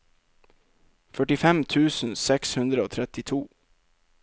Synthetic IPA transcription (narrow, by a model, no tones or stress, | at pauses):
fœʈɪfɛmt̪ʰʉːsn̩sɛkshʉnd̪ɾəoːt̪ʰɾɛt̪ɪt̪ʰuː